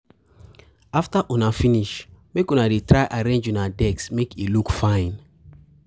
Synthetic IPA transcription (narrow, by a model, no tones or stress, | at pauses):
aftaʔunafiniʃmekũnadetʰɹaɪʔaɾẽnd͡ʒunadɛksmekʰilukfãɪ̃n